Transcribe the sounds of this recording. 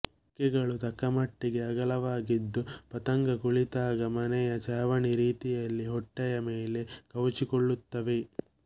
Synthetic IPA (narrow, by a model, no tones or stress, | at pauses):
kːɛɡɐɭut̪ɐkːɐmɐʈːiɡe̞ɐɡɐlɐʋaːɡid̪ːupɐt̪ɐŋɡɐkuɭit̪aːɡɐmɐnɛjɐt͡ʃaːʋɐɳiɾiːt̪ijɐlːiɦɔʈːɛjɐmeːle̞kɐʋut͡ʃikɔɭːut̪ːɐʋe